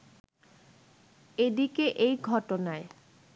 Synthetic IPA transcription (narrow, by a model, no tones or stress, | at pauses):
ed̪ikeʔejɡʱɔʈonae